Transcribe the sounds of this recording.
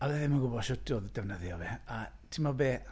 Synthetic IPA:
alɛðɪmaɡʊbɔðʃʊdʰʊðd̥ɛvnəðjɔvɛatʰɪmɔbeː

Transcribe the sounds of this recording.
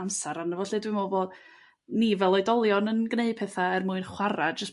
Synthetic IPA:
amsaɾanəvɔɬɨdwɪmoboːd | nivɛlˠɔɨdɔlˠjɔnənɡneɨd̚pʰɛθaɛrmʊɨnχwaɾad̚d͡ʒəs

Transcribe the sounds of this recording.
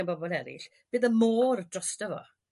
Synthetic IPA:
anmbɔbɔlˠɛɾɪ̰ɬ | b̥ɨːðəmoːrdrɔstəvɔ̰

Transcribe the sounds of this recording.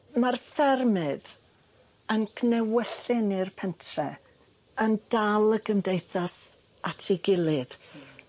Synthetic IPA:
marθɛrmɨð | ənkʰnɛwɛɬɨnirpʰɛntʰrɛ | əndalˠəɡəndejθas | atʰiɡɪlˠɨð

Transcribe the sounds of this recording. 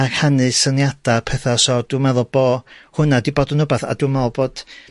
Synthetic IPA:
akhanɨsənjad̥apʰɛθasɔd̥umɛðʊlˠb̥oːhʊnadiboːdənʊbaθa̰dumɛðʊlˠboːd̥

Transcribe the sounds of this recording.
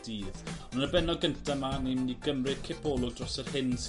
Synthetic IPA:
d̥iːðnunəbɛnɔɡəntʰamanimniɡəmrɪ̥kʰɪbʰɔːlˠʊɡ̚drɔsərhɪns

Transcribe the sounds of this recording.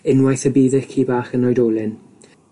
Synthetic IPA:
ɪnwajθəbiːðɪkʰiːbaːχənɔjdoːlˠɪn

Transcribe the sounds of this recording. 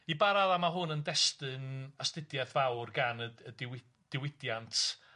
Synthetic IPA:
ibaɾaðˠamaɦʊnəndɛstɨnastɪdjɛðvawrɡanəədɪwɪ | d̥ɪwɪdjantʰ

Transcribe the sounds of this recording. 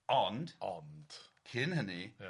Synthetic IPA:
ɔnd̥ɔnd̥kʰɪnhəni

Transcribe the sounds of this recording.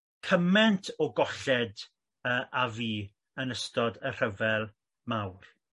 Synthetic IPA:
kʰəmɛntʰɔɡɔɬɛd | əːʔaviː | ənəstɔdər̥əvɛlˠ | mawr

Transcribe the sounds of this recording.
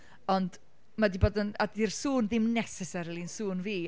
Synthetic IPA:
ɔnd | madiboːdənadirsuːnðɪmnɛsɛsɛɾlˠinsuːnviː

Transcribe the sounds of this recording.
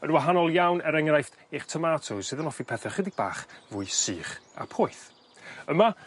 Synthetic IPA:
ənwaɦanɔlˠjawnəɾɛŋrajft | iχtʰəmaːtʰʊsɨðənɔfipʰɛθɛχədɪ̥b̥a̰ːχvʊɨsɨːχa̰pʰʊɨθ | əma

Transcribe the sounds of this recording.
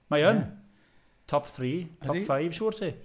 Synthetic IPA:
majən | tʰɔpθɾiːtʰɔfaɪvʃuːrtʰi

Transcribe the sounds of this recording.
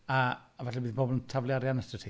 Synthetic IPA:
aːvaɬɛbiːðbɔbɔlˠəntʰavlˠjaɾjanəstətʰi

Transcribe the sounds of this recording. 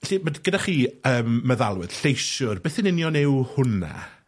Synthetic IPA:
ɬimədɡədaχiːəːmːəðalˠwɨ̰ð̥ɬejsʊrbeːθɪnɪnjɔnɪwhʊna̰

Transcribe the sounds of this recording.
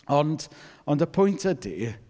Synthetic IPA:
ɔndɔndəpʰɔjntʰədḭ

